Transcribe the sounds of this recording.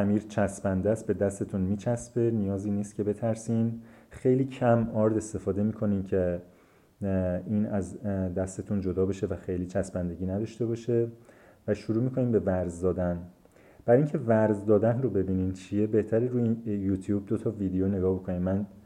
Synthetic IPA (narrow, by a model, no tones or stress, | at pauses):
æmiːɾt͡ʃʰæsbænd̪æst̪̚be̞d̪æst̪e̞t̪ʰunmiːt͡ʃʰæsbe̞nijɒːziːniːst̪cʰʲe̞be̞t̪ʰæɾsinxe̞jliːcʰæmɒɾd̪e̞st̪e̞fɒːd̪e̞miːkʰo̞niːmcʰe | iːnæzd̪æst̪e̞t̪ʰund͡ʒo̞d̪ɒːbeʃevæxe̞jliːt͡ʃʰæsbænd̪e̞ɟiːnæd̪ɒʃt̪e̞bɒːʃe̞ | væʃuɾuːmiːkʰo̞niːmbe̞væɾzd̪ɒːd̪æn | b̥æɾiŋcʰe̞væɾzd̪ɒːd̪ænrobe̞biːnint͡ʃʰije̞be̞ht̪ʰæɾeɾuːjuːt̪ʰjuːb̚d̪o̞t̪ʰɒːviːd̪ejone̞ɡɒːhbo̞kʰo̞niːmmːæn